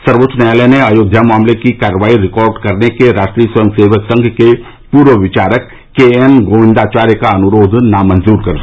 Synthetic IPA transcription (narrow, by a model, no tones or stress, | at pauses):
sɐɾʋot̪ːt͡ʃnəjaːləneɐjoːd̪ʱjamaːmlekikaːɾəʋaːiɾɪkɔːɾɖkɐɾnekeɾaːʃʈɾiːjəswɐjəmseːʋəksɐ̃ŋɡʱke | puːɾʋəʋɪt͡ʃaːɾəkː | eenɡoːʋɪ̃nd̪aːt͡ʃaːɾjəkaɐnʊɾoːd̪ʱnamɐnzuːɾkɐɾ